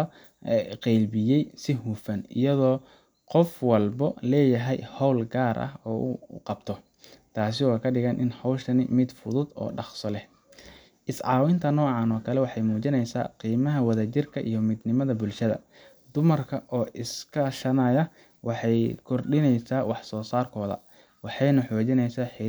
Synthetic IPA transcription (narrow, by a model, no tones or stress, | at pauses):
qɛjlbɪjɛjsɪɦuːfɐnɪ̰jɐðɔː | qɔfwɐlbɔlɛːjɐɦɛjhɔwlɡaːɾʔɐ̰hɔːʔʊ̰qɑbt̪ʰɔ | t̪ʰaːs̬ɪɔːkʰɐɖɪɣɐnʔɪ̰nhɔwʃɐnɪmɪd̪fʊðʊd̪ɔ̰ːɖɑqsɔlɛh | ʔɪsʕɑːwɪnt̪ʰɐnɔːʕɑːnɔːkʰɐlɛwɑħɑjmuːt͡ʃɪnɛjsa̰ːqiːmɐɦɐwɐðɐt͡ʃɪrkʰɐʔḭjɔmɪd̪nɪmɐðɐbʊlʃɐðɐ̰ | d̪ʊmɐrkʰɐʔɔːʔɪskʰɐʃɐnɐjɐ | wɑħɑjkʰɔrɖɪnɛjsaːwɑħsɔːsaːrkʰɔːðɐ̰ | wɑħɑjnɐħɔːt͡ʃɪnɛjsaːħɪ